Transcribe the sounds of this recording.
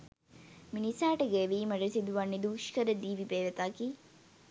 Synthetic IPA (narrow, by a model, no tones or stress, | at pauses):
minisaːʈɐɡeːʋiːmɐɖesid̪uʋɐnːid̪uːʃkəɾəd̪iːʋipeːʋet̪akiː